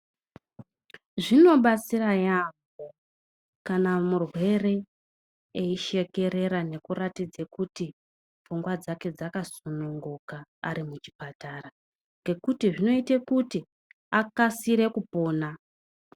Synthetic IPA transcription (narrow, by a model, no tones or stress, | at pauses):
ʐino̞ɓat͡siɾajambo | kanamurwe̞re̞ | eiʃe̞ke̞ɾe̞ɾane̞kuratid͡zekuti | fuŋɡwad͡zake̞d͡zakasunuŋɡuka̰ːɾimut͡ʃi̥pataːra | ŋɡe̞kutiʐino̞itekuti | akasiɾe̞kupo̞ːna